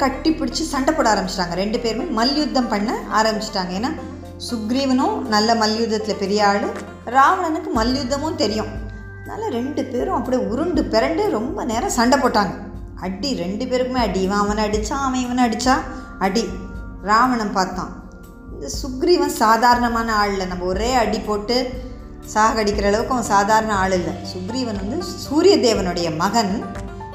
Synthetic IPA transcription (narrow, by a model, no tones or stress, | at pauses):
kɐʈːipɪɽɪt͡ʃːɯsɐɳɖɐpːoːɽaːɾɐmbɪt͡ʃːɪʈːaːŋɡɐɾɛɳɖɯpeːɾɯmeːmɐljʊd̪ːɐmpɐɳːɐaːɾɐmbɪt͡ʃːɪ̥ʈːaːŋɡɐeːnːaː | sʊɡɾiʋɐnʊ̃ːnɐlːɐmɐljʊd̪ːɐt̪ːɪlɐpɛɾɪjaːɭʊ̃ | ɾaːʋɐɳɐnɯkːɯmɐljʊd̪ːɐmʊ̃nt̪ɛɾɪjʊ̃ | ɐðɐna̰ːlɐɾɛɳɖɯpeːɾʊ̃ɐpːɐɽiʊɾɯɳɖɯpɛɾɐɳɖeɾɔmbɐneːɾɐ̃sɐɳɖɐpːoːʈːaːŋɡɐ | ʔɐɽiɾɛɳɖɯpeːɾɯkːɯmeːɐɽɪjʋãːɐʋɐ̃nɐɽɯt͡ʃːaːɐʋɐ̃ɪʋɐnɐɽɯt͡ʃːaː | ɐɽi | ɾaːʋɐɳɐmpaːɾt̪ã̰ː | ɪnd̪ɐsʊkɾiʋɐnd̪ɯsaːðaːɾɐɳɐmaːnɐaːɭɪlːɐnɐmbɐɔɾeːɐɽipoːʈːɯ | saːɦɐɣɐɽɪkːɪɾɐːɭɐʋɯkːɯ̃ɐʋɐ̃saːðaːɾɐnɐaːɭɪlːɐsʊkɾiʋɐnʋɐnd̪ɯsuːɾɪjɐd̪eːʋɐnɯɽɐjɐmɐɣɐn